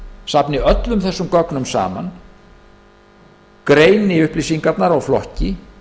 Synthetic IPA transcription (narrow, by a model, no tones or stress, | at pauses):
sapnɪœt̪lʏmθɛsːʏmkɔknʏmsa̰ːma̰n | kɾeːjnɪʏhplisiŋkat̪naɾawflɔ̰hcɪ